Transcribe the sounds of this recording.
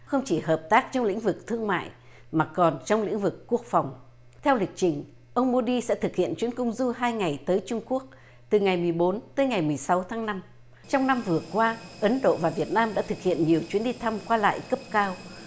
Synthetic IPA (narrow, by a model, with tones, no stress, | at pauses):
xə˧wŋ͡mt͡ɕi˧˩həː˨˩p̚t̪aː˦˥k̚t͡ɕɔ˧wŋ͡mlḭ˧˥ŋ̟vɨ˨˩k̚t̪ʰɨ˧əŋma̰ː˧˨j | maː˨˩kɔ˨˩nt͡ɕɔ˧wŋ͡mlḭ˧˥ŋ̟vɨ˨˩kːu˦˥ək̚fa˨˩wŋ͡m | t̪ʰɛ˧wlï˨˩k̚t͡ɕï˨˩ŋ̟ | ʔə˧wŋ͡mmo˧ɗi˧sɛ̰˧˥t̪ʰɨ˨˩k̚hḭ˧˨ənt͡ɕwi˨˦ənkʊ˧wŋ͡mzu˧ɦaː˧jŋa˨˩jt̪əː˨˦jt͡ɕʊ˧ŋ͡mku˦˥ək̚ | t̪ɨ˨˩ŋa˨˩jmɨ˨˩əjɓo˨˦nt̪əː˨˦jŋa˨˩jmɨ˨˩əjsa˨˦wt̪ʰaː˨˦ŋna˧m | t͡ɕɔ˧wŋ͡mna˧mvɨ˨˩əkwaː˧ʔə˨˦nɗo̰˧˨vaː˨˩vi˨˩ət̚naː˧mɗa̰ː˧˥t̪ʰɨ˨˩k̚hḭ˧˨ənɲi˨˩əwt͡ɕwi˨˦ənɗi˧t̪ʰa˧mkwaː˧la̰ː˧˨jkə˦˥p̚kaː˧w